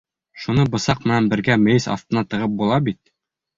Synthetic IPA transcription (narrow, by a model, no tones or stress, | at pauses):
ʃunɤbɤ̆sɑq̚mɘ̆nænbɘ̆ɾɡæmɘ̆jɘsɑ̰ft̪ɤ̆nɑt̪ɤ̆ʁɤp̚bulˠɑbit̪̚